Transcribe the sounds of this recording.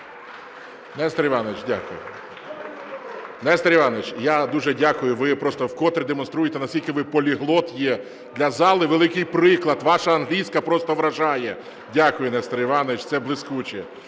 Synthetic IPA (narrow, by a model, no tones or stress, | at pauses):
nɛst̪ɾʲiʋɑnɔʋɪt͡ʃdʲa̰kʊjʊ | nɛst̪ɐɾʲiʋɑnɔʋɪt͡ʃjad̪uʒɛdʲakʊjʊʋɪpɾɔst̪ɔwkɔt̪ɾʲid̪emɔnst̪ɾujet̪ɛnɐsʲkʲilʲkɪʋɪpɔlʲiɦlˠɔt̪jɛ | d̪lʲɐzɑlˠɪʋelˠɪkɪjpɾɪklˠɐd̪ʋɑʃɐɐnɦlʲijsʲkɐpɾɔst̪ɔʋɾɐʒɑjɛ | dʲakʊjʊnɛst̪ɾʲiʋɑnɔʋɪt͡ʃt̪sɛblˠɪskut͡ʃɛ